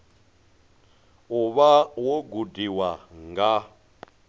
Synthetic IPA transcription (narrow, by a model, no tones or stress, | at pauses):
uβawoɡudiwaŋɡa